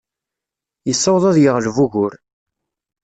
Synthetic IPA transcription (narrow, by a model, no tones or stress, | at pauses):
jəsːɑwðˤɑðˤjəʁlvuɣʊɾ